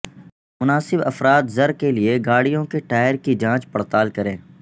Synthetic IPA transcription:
mʊnaːsɪbɐfɾaːt̪zɐɾkelieɡaːɽijõkeʈaːɪəɾkid͡ʒãːt͡ʃpɐɽt̪aːlkɐɾẽː

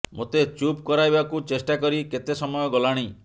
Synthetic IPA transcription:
mot̪et͡ʃupkɔɾajbakut͡ʃesʈakɔɾiket̪esɔmɔjɔɡɔlaɽ̃i

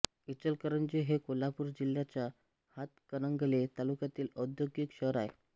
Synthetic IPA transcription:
it͡ɕəlkəɾəɳd͡ʑeɦekolapuːɾd͡ʑiljat͡ɕa | hat̪kənəŋɡlet̪alukjat̪iːləd̪joɡikɕəɾae

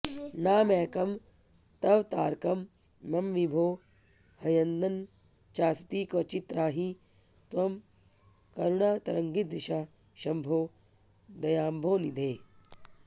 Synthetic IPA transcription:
naːmɛːkɐm | t̪ɐʋt̪aːɾkɐmː | ɐmʋibʱoː | hɐjɐnd̪ɐn | t͡ʃaːst̪iːkʋɐt͡ʃit̪ɾaːɦi | t̪ʋɐm | kɐɾuɳaːt̪ɐɾɐŋɡid̪ɾiʃaː | ʃɐmbʱoː | d̪ɐjaːmbʱoːnid̪ʱeː

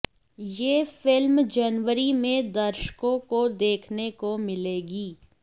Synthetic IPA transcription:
jeːfɪlmd͡ʒɐnʋəɾimẽd̪ɐɾʃkõkod̪eːkʰnekomɪleːɡiː

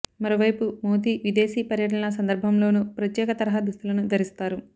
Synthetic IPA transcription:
mɐɾo̞ːʋɐjpumoːd̪iːʋid̪e̞ːsiːpɐɾjɐʈ̬ɐnɐs̬ɐnd̪ɐɾbʱɐmlo̞ːnupɾɐt̪jɛːkɐt̪ɐɾɐɦɐd̪ust̪ulɐnud̪ʱɐɾist̪aːɾu

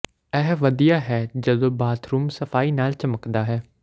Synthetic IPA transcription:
ɛːɦʋəd̪ijaːɦɛːd͡ʒəd̪õːbaːt̪ʰɾuːmsəfaːiːnaːlt͡ʃəməkd̪aːɦɛː

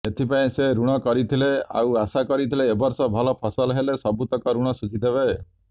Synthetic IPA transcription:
et̪ʰipaĩseɾuɽ̃ɔkɔɾit̪ʰilea̰wasakɔɾit̪ʰileːbɔɾsɔbʱɔlɔpʰɔsɔlɦelesɔbut̪ɔkɔɾuɽ̃ɔsud͡ʒid̪ebe

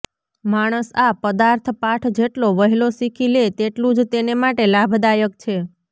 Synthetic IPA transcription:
maɽ̃əsapəd̪aɾt̪ʰpaʈʰd͡ʒeʈloʋəɦilosikʰilet̪eʈlũd͡ʒt̪enemaʈelabʱd̪ajək̚t͡ʃʰe

